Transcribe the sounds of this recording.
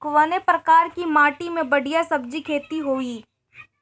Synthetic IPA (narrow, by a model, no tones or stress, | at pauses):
kʋaːnepɾɐkaːɾkimaːʈimẽbɐɽ̤ijasɐb̚d͡ʒikʰeːt̪iɦoːiː